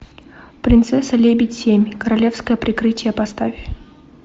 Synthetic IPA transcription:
pɾʲɪnt̪sɛsəlʲebʲɪtʲsʲemʲkəɾɐlʲe̞fskəjəpɾʲɪkɾɨtʲɪjəpɐst̪avʲ

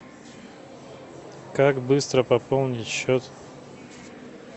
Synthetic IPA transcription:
kakbɨst̪ɾəpɐpolˠnʲɪtʲɕːot̪

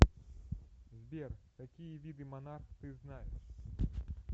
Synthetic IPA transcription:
zʲbʲɛrt̪akʲijɐvʲid̪ɨmanarxt̪ɨznajɛ̰ʂ

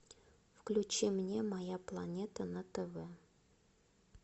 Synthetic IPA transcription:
fklʲʉt͡ɕimnʲemɐjaplˠɐnʲet̪ənət̪əvɛ

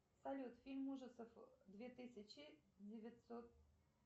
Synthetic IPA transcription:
sɐlʲut̪fʲilʲmuʐɨt̪səfd̪vʲet̪ɪsʲɐt͡ɕɪdʲɪvʲɪt̪sot̪̚

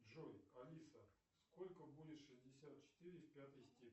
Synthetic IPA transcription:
ʐojɐlʲisə | skolʲkəbudʲɪt̪ʂɨzʲdʲɪsʲat̪̚t͡ɕɪ̥t̪ɨɾʲɪfʲpʲat̪ɨjsʲtʲe

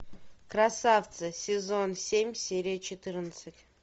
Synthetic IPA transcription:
krɐsaft̪sɨsʲɪzonsʲemʲsʲeɾʲɪjət͡ɕɪt̪ɨrnət̪sɨtʲ

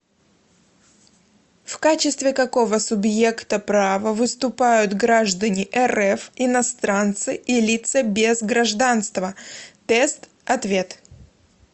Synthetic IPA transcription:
fkat͡ɕɪst̪vʲɪkɐko̞vəsʊbje̞kt̪əpɾavəvɨst̪ʊpajʊt̪ɡɾaʐd̪ənʲɪʔɛrɛfɪnɐst̪ɾant̪sɨʔɪlʲit̪səbʲezɡɾɐʐd̪anst̪vət̪ɛst̪ | ɐt̪vʲet̪

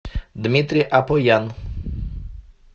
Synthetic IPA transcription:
d̪mʲit̪ɾiʔapɔjan

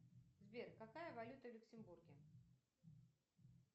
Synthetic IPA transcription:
zbʲerkakajɐvalʲut̪ɐwlʲʊksʲɪmburɡʲɪ

